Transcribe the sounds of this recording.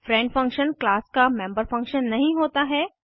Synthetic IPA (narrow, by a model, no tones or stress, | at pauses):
fɾɛ̃ɳɖfɐ̃ŋkʃənklaːskamẽːmbəɾfɐ̃ŋkʃənːɐɦĩɦoːt̪aɦɛː